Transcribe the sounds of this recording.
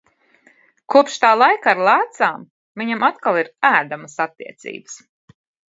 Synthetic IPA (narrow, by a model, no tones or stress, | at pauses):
kuɔpʃt̪aːlˠajkaɾlˠæːt̪saːm | viɲamat̪kalˠiɾæːd̪aməsat̪ːḭɛt̪sḭːbə̥s